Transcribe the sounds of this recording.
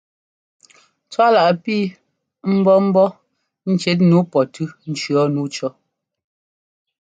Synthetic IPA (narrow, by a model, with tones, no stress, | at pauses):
t͡swa˦la˨ʔpiː˦ | m̩˦bɔ˦m̩˦bɔ˦ | n̩˦t͡ʃɛ˦t̬̚nu˨˦pɔ˨tʉ˦n̩˨t͡ʃɰɔ˨˦nu˨˦t͡ʃɔ˦